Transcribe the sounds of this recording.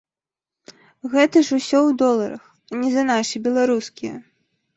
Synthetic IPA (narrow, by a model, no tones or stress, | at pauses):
ɣɛt̪ɐʂusʲɔwd̪ɔlˠɐɾɐ̰x | nʲɛzɐnaʂibʲɛlˠaɾuskʲijɐ̰